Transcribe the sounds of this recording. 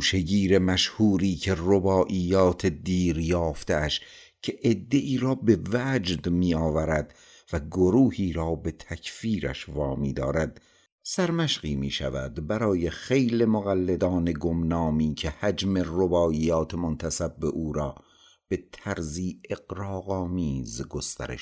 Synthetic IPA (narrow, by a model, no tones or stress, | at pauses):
uʃeɡiːɾe̞mæʃhuːɾiːcʰe̞robɒːʔiːjɒːt̪ʰed̪iːɾjɒːft̪eʔæʃ | cʰeʔed̪ːe̞ʔiːɾɒːbe̞væːd͡ʒd̪miːɒːvæɾæd̪ | væɡoɾuːhiːɾɒːbe̞t̪ʰæcʰfiːɾæ̰ʃvɒːmiːd̪ɒ̰ːɾæd̪̥ | sæɾmæʃɢiːmiːʃæ̰væ̰d̪bæɾɒːje̞xe̞jlemoɣælːe̞d̪ɒːne̞ɡomnɑːmiːcʰehæd͡ʒme̞robɒːʔiːjɒːt̪ʰemont̪ʰæsæbːe̞ʔuːɾɒː | b̥e̞t̪ʰæɾziːʔe̞ɡɾɑːɣɒːmiːzɡo̞st̪æ̰ɾḛʃ